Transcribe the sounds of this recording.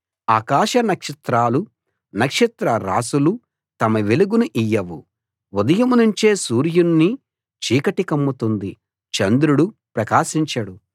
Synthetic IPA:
a̰ːkaːʃɐnɐkʂɐt̪ɾaːlu | nɐkʂɐt̪ɾɐɾa̰ːsulu | t̪ɐmɐʋeluɡunuʔijːɐʋu | ud̪ɐjɐmunuɲt͡ʃeːsuːɾjunːi | t͡ʃiːkɐʈikɐmːut̪und̪i | t͡ʃɐnd̪ɾuɽupɾɐkaːʃiɲt͡ʃɐɽu

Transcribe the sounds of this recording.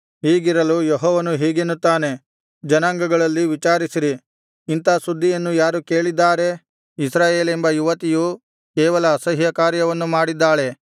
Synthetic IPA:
ɦiːɡiɾɐlujɔɦɔːʋɐnuɦiːɡenːut̪ːaːne̞ | d͡ʒɐnaːŋɡɐɡɐɭɐlːiʋit͡ʃaːɾisiɾiː | nt̪ɐsud̪ʱːijɐnːujaːɾuke̞ːɭid̪ːaːɾe̞ | isɾaːje̞ːlembɐjuʋɐt̪iju | kɛːʋɐlɐːsɐɦjɐkaːɾjɐʋɐnːumaːɽid̪ːaːɭe̞

